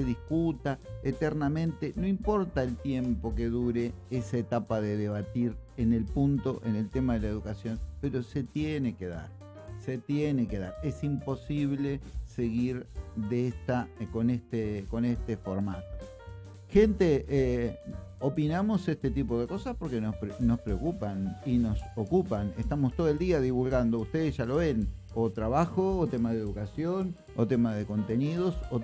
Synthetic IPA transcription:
seðiskut̪aet̪eɾnamẽ̞nt̪eno̞impo̞ɾt̪aelt̪je̞mpo̞ke̞ðuɾeesaet̪apaðeðe̞β̞at̪iɾene̞lpunt̪o̞ʔenelt̪emaðelaeð̞ukasjo̞npe̞ɾo̞se̞t̪jene̞keða̰ɾ | set̪jeneke̞ða̰ɾe̞simpo̞siβle̞se̞ɣiɾðeest̪ako̞nest̪eko̞nest̪efo̞ɾmat̪o̥ | xe̞nt̪ee | opinamo̞sest̪e̞t̪ipo̞ð̞e̞ko̞saspo̞ɾkenospɾeːo̞spɾeokupanino̞sokupanest̪amost̪oðoeld̪iaðiβulɣand̪oust̪eðesʒ̥alo̞βe̞n | ot̪ɾaβaxoːt̪emaðeðukasjo̞n | o̰t̪emaðe̞ko̞nt̪e̞niðo̞so

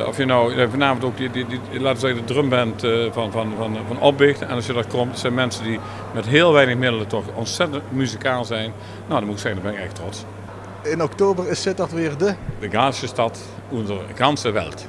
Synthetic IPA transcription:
ɔ̰fjənɔwavənaːməntowkədədi | laːtəʋəzɛɣədədrømbɛntvɑnvɑnvɑnvɑnɔp̚bɪxtɛnɑlsjədɑtkɔmtsɛjnmɛnsədi | mɛtɦɪːlˠʋɛjnəxmɪdələtɔχɔnsɛtəntmyzikaːlˠzɛjn | nowdɑnmutɪksɛɣəndɑmbɛnɪkɛxtrɔts | ɪnɔktoːbərɪsɪt̚dɑtʋɪːɹdədəɡaːsəstɑt | undərɣɑnsəʋɛ̰lˠt

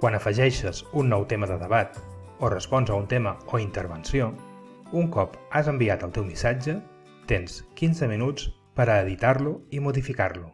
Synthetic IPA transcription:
kwanəfəʒɛʃəzunːɔwt̪eməðəðəβat̪ | orəspɔnzəunt̪eməoint̪əɾβənsio | uŋkɔpazəmbiat̪əlˠt̪ɛwmisad͡ʒə | t̪enskinzəminut͡s | pəɾəːðit̪aɾluimuðifikarlu

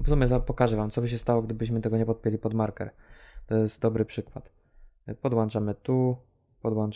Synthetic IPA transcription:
vsumʲɛt̪apɔkaʐɛvamt̪sɔbɘɕ̬ɛst̪awɔɡd̪ɘbɘɕmɘt̪ɛɡɔɲɛpɔt̪̚pʲjelʲipɔd̪maɾkɛɾt̪ɔjɛst̪̚d̪ɔbɾɘpʂɘkwa̰t̪ | pɔd̪want͡ʂamɘt̪u | pɔd̪wan

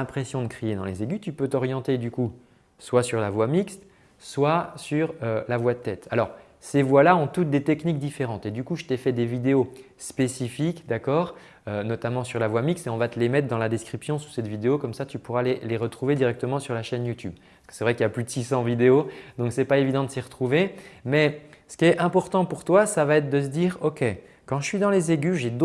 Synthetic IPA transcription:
ɛ̃pχesjɔ̃d̪əkχijed̪ɑ̃lezeɡʲyt̪ypøt̪ɔʁjɑ̃t̪ed̪yku | swasyʁlavwamikst̪ | swasyʁølavwad̪ət̪ɛt̪ʰalɔʁ | sevwalaɔ̃t̪ut̪̚d̪et̪ɛknikd̪ifeʁɑ̃t̪ed̪ykuʒət̪efɛd̪evid̪eo | spesifikd̪akɔːʁ | ønɔt̪amɑ̃syʁlavwamikseɔ̃vat̪əlemɛt̪χd̪ɑ̃lad̪ɛskχipsjɔ̃su̥sɛt̪vid̪eokɔmsat̪ypuʁaleleʁət̪χuved̪iʁɛk̚t̪əmɑ̃syʁlaʃɛnjut̪yb | skə̥sɛvʁɛkiljaplyd̪əsisɑ̃vid̪eod̪ɔ̃ksɛpaevid̪ɑ̃d̪əsiʁət̪χuvemɛsə̥kʲiɛɛ̃pɔʁt̪ɑ̃puʁt̪wasavaɛt̪χd̪əs̬əd̪iːʁɔkʲe | kɑ̃ʒəsɥid̪ɑ̃lezeɡʲyʒed̪o

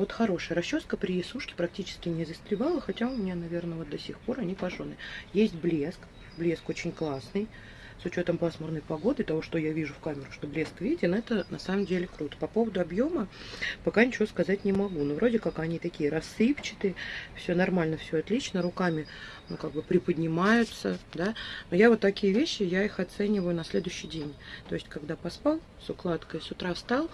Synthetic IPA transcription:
vo̞t̪xɐɾo̞ʂɨjəɾɐɕːoskəpɾʲɪjɪsuʂkʲɪ̥pɾɐk̚tʲit͡ɕɪ̥skʲɪnʲɪzəst̪ɾʲɪvalˠəxɐtʲaʊmʲɪnʲanɐvʲe̞rnəvo̞t̪d̪ɐsʲixpo̞ɾɐnʲipɐʐonɨjesʲtʲblʲesk | blʲe̞sko̞t͡ɕɪnʲklˠasnɨj | sʊt͡ɕo̞t̪əmpasmərnəjpɐɡo̞d̪ɨt̪ɐvo̞ʂt̪o̞javʲiʐʊfkamʲɪɾʊʂt̪o̞blʲe̞skvʲidʲɪnɛt̪ənɐsaməmdʲelʲɪkɾut̪ə̥pɐpo̞vəd̪ʊɐbjo̞mə | pɐkanʲɪt͡ɕɪvoskɐzat̚ʲnʲɪmɐɡunovɾʔo̞dʲɪkakɐnʲit̪ɐkʲijəɾɐsːɨpt͡ɕɪ̥t̪ɨfsʲɵnɐrmalʲnəfsʲoɐt̪lʲit͡ɕnəɾʊkamʲɪ | nukaɡ̚bɨpɾʲɪpədʲnʲɪmajʊt̪səd̪anojavo̞t̪ːɐkʲijəvʲeɕːɪjaixɐt̪sɛnʲɪvəjʊnɐsʲlʲe̞d̪ʊʏɕːɪjdʲenʲt̪o̞ɪsʲtʲkɐɡd̪apɐspalˠ | sʊklˠat̪kəjsʊt̪ɾast̪alˠ

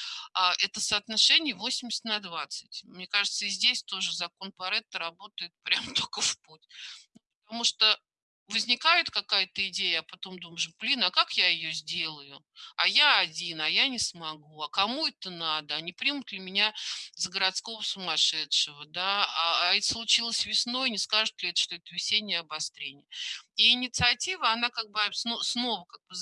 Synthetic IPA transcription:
aʔɛt̪əsɐːt̪nɐʂɛnʲɪjəvo̞sʲɪmʲɪsʲɪt̪ʲnɐd̪vat̪sɨ̥tʲmnʲe̞kaʐɨt̪səɪzʲdʲesʲt̪o̞ʐɨzɐko̞npɐɾɛt̪əɾɐbo̞t̪əjɪt̪̚pɾʲamt̪okəfputʲnupə̥t̪ɐmuʂt̪o | vəzʲnʲɪkajɪt̪kɐkajət̪əɪdʲejəɐpɐt̪o̞md̪umʐʊblʲinakakjaɪjozʲdʲe̞lˠəjʊ | ajaɐdʲinɐjanʲɪsmɐɡuɐkɐmuɛt̪ənad̪əɐnʲɪpɾʲimʊt̪lʲɪmʲɪnʲazəɡəɾɐt̪sko̞vəsʊmɐʂɛtʂəvəd̪aaːɛt̪slˠʊt͡ɕilˠəsʲvʲɪsno̞jnʲɪskaʐɨt̪lʲɪɛt̪ə̥ʂt̪oɛt̪əvʲɪsʲenʲɪjəɐbɐst̪ɾʲenʲɪjəiɪnʲɪt̪sɨɐtʲivəɐnakaɡ̚bɨsnosno̞vəkaɡ̚bɨz

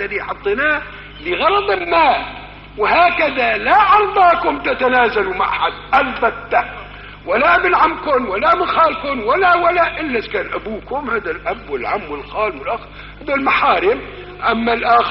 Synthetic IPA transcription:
alijħɑt̪ˤːɨna | lɪɣɑɾɑd̪ˤɪlmaːl | wɪhaːkad̪alaʕɑɾˤd̪ˤɑːkʊmt̪at̪anaːzaluma̰ʕħad̪̚ʔalbat̪ːa | walːaʔabɪlʕamkʊnwalːamɪnxaːlkʊnwalːawalːaʔɪlːaskaːnʔabuːkʊmhaːd̪alʔabwɪlʕamːwɪlxaːlwɪlʔax | haːd̪almaħaːɾɪm | ʔamːalʔaːx

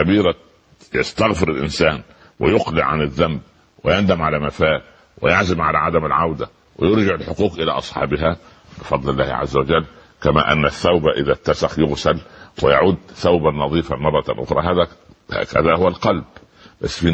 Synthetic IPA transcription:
æbiːɾæ | ja̰st̪ɑɣfɪɾɪlʔɪ̰nsæːn | wʔɪjoqlɪ̰ʔʕanɪðːæmb̚ | wɪjænd̪æmʕalæːmæfæːl | wɪjaʕzɪmʕalæʕad̪æmɪlʕawd̪æ | wɪjoɾˤd͡ʒɪʕɪlħoquːqʔɪlæ̰ːʔɑsˤħɑ̰ːbɪɦæ | bɪfɑd̪ˤlɪlːæːhʕa̰zːawad͡ʒælː | kæmæ̰ːʔæ̰nːæθːawbæʔɪðæt̪ːæsaxjʊɣsælwɪjaʕuːd̪θawbanɑðˤiːfamɑrˤːɑʔo̰xɾˤɑ̰ɦæːðæhæ̰ːkæ̰ðæhʊwælqɑlb | bæ̰sːfiː

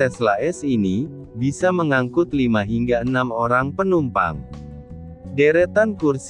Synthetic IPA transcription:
ɛslaɛsini | bisaməŋaŋkʊt̪limaɦiŋɡaənamoɾaŋpənumpa̰ŋ | deɾɛt̪ankurs

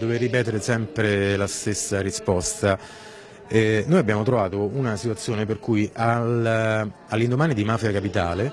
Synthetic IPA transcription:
d̪overːipɛːt̪eɾesɛmpɾelast̪esːaɾispɔst̪a | ɛnoːjabːjaːmot̪ɾovaːt̪ounasit̪wat̪sːjoːnep̬erkujʔal | alːind̪omaːnid̪imaːfjakapit̪a̰ːle

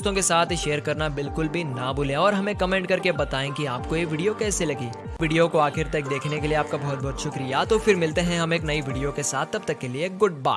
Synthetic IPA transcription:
st̪õkesaːt̪ʰʃeːəɾkɐɾnabɪlkʊlbʱinabʊlẽɔːɾɦɐmẽkɐmɛ̃ːɳʈ̚kɐɾkebɐt̪aːẽkiaːp̚kojeʋɪːɖijokɛːselɐɡiː | ʋɪɖijokoaːxɪɾt̪ɐk̚d̪eːkʰnekelieaːp̚kabɔɦʊt̪̚bʱɔɦːt̪ʃʊkɾijat̪ofɪɾmɪlt̪eɦɛ̃ɦɐmeːknɐiʋɪɖijokesaːt̪ʰːɐb̚t̪ɐkːelieɡʊʈ̚ba̰ː

